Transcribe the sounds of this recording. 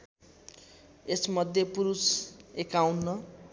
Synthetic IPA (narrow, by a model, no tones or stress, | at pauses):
esmʌd̪ʱjʌpuɾusekawnːʌ